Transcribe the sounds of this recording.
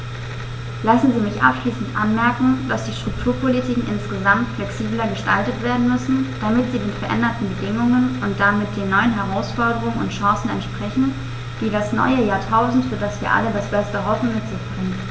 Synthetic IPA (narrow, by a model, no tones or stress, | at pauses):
lasn̩ziːmɪçʔa̰pʃliːsn̩tʔa̰nmɛɐkŋ̩d̥asd̥iːʃtʁ̥ʊk̚tʰuːɐpʰolitʰiːkŋ̩ʔɪnsɡ̥əzamtflɛksiːblɐɡəʃtaltətv̥eːɐdn̩mʏsn̩d̥amɪtz̥iːmɪtfɛɐʔɛ̰ndɐtn̩bədɪŋʊŋənʊnt̚d̥amɪt̚d̥eːnːɔʏənɦɛʁaʊsfɔɐdəʁ̞ʊŋənʊ̰ntʃɑ̃ːsn̩ɛntʃpʁ̥ɛçn̩ | d̥iːdasnɔ̰ʏəjaːɐtʰaʊzn̩tfyːɐdasv̥iːɐʔa̰lədasb̥ɛstəɦɔfn̩mɪtz̥ɪçb̥ʁɪŋən